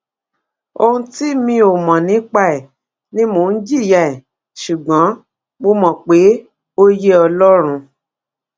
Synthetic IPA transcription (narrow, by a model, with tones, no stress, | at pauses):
o˧hũ˦ti˦mĩ˧˦o˨mɔ̃˨nĩ˨˦k͡pa˦ɛ˨ | nĩ˦mo˧˨n̩˦d͡ʒi˦˨ja˨ɛ˨ | ʃu˨ɡ͡bɔ̃˨˦ | mo˧mɔ̃˨k͡pe˨˦ | o˦je˦ɔ˧lɔ˦ɾ̃ũ˧